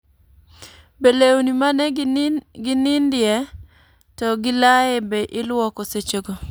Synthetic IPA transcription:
belewnimanɛɡɪnɪndɪɛ | tɔɡɪlaebeʔɪlwɔkɔset͡ʃoɡo

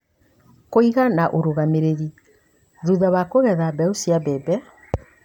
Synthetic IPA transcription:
koiɣanaʔoɾoɣameɾeɾi | ðuðaβakoɣɛðabɛosiabɛbɛ

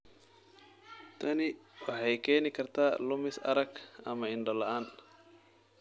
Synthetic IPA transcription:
t̪ʰɐnɪwɑħɑjkʰɛːnɪkʰɐrt̪ʰaːlʊmɪsɐ̰ɾɐɡɐ̰mɐɪnɖɔlɐʔaːn

